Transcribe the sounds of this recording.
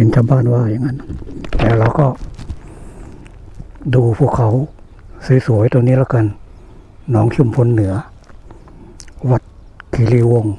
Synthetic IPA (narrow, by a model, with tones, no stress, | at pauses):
i˨˦nt͡ɕʰa˧˦mbaː˧˥˨nwaː˧˩˨ja˧˨ŋːa˧˥n˧˥t̪ɛː˧˩la˧˩wkɔ˧˩ | duː˧˩pʰu˧˩əkʰa˧˦w | sɯː˨˦su˨˦ə˦jt̪o˧ŋniː˧˥˨laː˧˥˩ka˧˨n | nɔː˨˦˥ŋt͡ɕʰu˧˨mpʰo˧˥˨nːɯ˨˩˦ɐ | wa˧˩t̪̚kʰiː˨˦liː˧˩wo˧˩˨ŋ